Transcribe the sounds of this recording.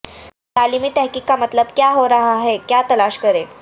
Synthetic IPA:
t̪alimiːt̪ɛɦkiːkːamət̪ləbkjaɦoɾaɦaɦekjat̪əlaɕkəɾe

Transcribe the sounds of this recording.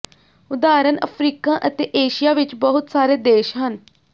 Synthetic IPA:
ʊd̪aːɾənə̰pʰɾiːkãːʔət̪eːʔeːʃijaːʋɪt͡ʃbəɦʊt̪saːɾeːd̪eːʃɦən

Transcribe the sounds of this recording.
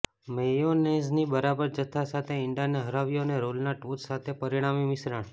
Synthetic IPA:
mejoneznibəɾabəɾd͡ʒət̪ʰːasat̪ʰeɪɳɖijaneɦəɾaʋijoneɾolnaʈʋut̪sat̪ʰepəɾiɽ̃amimɪsɾaɳ̃

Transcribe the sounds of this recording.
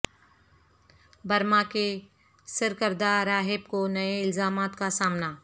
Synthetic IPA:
bɐɾmake | sɪɾkəɾd̪aɾaːɦɪbkonɐeɪlzaːmaːt̪kasaːmna

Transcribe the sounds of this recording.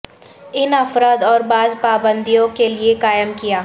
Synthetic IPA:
ɪnɐfɾaːd̪ɔːɾbaːzpaːbə̃nd̪ijõkeliekaːjəmkijaː

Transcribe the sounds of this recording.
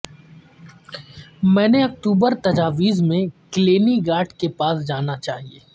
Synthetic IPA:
mɛ̃ːneɐk̚ʈ̪uːbəɾt̪ɐd͡ʒaːʋiːzmẽkleːniɡaːʈkepaːsd͡ʒaːnat͡ʃaːɦieː

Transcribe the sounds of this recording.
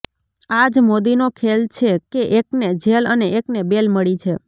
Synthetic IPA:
ad͡ʒmod̪inokʰelt͡ʃʰekeʔekned͡ʒeləneeknebelməɭit͡ʃʰe

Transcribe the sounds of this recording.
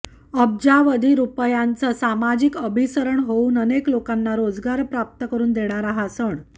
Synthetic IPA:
əb̚d͡ʑaʋəd̪ʱiːɾupəjant͡səsamad͡ʑikəbʱisəɾəɳɦouːnəneklokanːaɾod͡zɡaɾpɾap̚t̪əkəɾuːnd̪eɽ̃aɾaɦasəɳ

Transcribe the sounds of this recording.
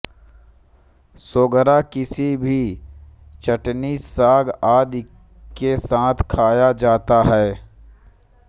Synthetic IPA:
soːɡəɾakɪsibʱi | t͡ʃəʈnisaːɡaːd̪ | kesãːt̪ʰkʰaːjad͡ʒaːt̪aɦɛː

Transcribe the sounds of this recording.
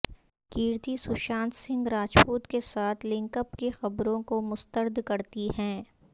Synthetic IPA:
kiːɾt̪isʊʃãːnt̪sɪ̃ŋɡɾaːt͡ʃpuːt̪kesaːt̪ʰlɪ̃ŋkəpkexɐbɾõkomʊst̪əɾd̪kɐɾt̪iɦɛ̃ː

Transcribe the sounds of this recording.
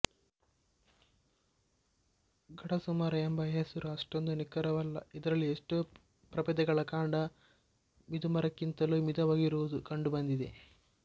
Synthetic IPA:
ɡɐɽɐsumaːɾɐembɐesuɾɐʂʈond̪unikːɐɾɐʋɐlːɐ̰id̪ɐɾɐlːieʂʈe | pɾɐpɐd̪ɐɡɐɭɐkaːɳɖɐ | mid̪umɐɾɐkːint̪ɐluːmid̪ɐʋaːɡiɾuʋud̪ukɐɳɖubɐnd̪id̪ḛ

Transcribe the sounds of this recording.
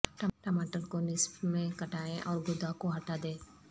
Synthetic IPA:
ʈəʈəmaːʈəlkonɪsbmẽkɐʈaːẽʔɔːɾɡʊd̪akoɦɐʈad̪ẽː

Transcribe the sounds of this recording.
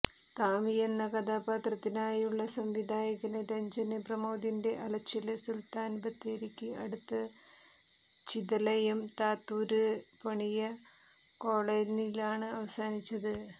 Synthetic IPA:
t̪aːmijenːɐkɐd̪aːbaːt̪rɐt̪ːinaːjuɭːɐsɐmʋid̪ʱaːjɐɣɐnɨɾeɲd͡ʑɐnɨprɐmoːd̪inde̞ʔɐlɐt͡ɕːilɨsult̪aːnbɐt̪ːeɾikʲːɨɐɽut̪ːɐ | t͡ɕiðɐlɐjɐmt̪aːt̪ːuːɾɨpɐɳijɐ | ko̞ːɭenilaːɳɨɐʋɐsaːnit͡ɕːɐðɨ

